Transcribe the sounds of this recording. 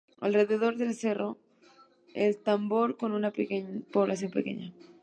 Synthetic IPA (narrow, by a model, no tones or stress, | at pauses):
a̰lre̞ðeð̞o̞ɾðe̞lse̞ro | elt̪ambo̞ɾko̞nunapekepoβlaθ̬jõ̞mpekḛɲa